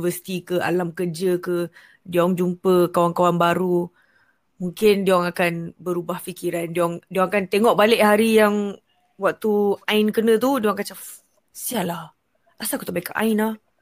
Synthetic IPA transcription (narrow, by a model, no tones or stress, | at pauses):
vəsi̥t̪ikəa̰lamkərd͡ʒəkə | diɔŋd͡ʒumpəkawaŋkawanbaɾu | muŋkɪndiɔŋakanbəɾubahfikiɾandiɔŋdiɔŋakant̪eŋɔʔbalɪʔɦaɾijaŋ | waʔ̚t̪uaɪnkənə̃t̪udiɔŋkat͡ʃa | sialah | ʔasakut̪aʔbaikaʔa̰ɪnah